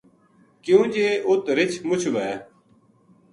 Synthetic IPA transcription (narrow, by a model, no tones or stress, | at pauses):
kjũːd͡ʒeːʔʊt̪ɾɪt͡ʃʰmʊt͡ʃʰʋɛː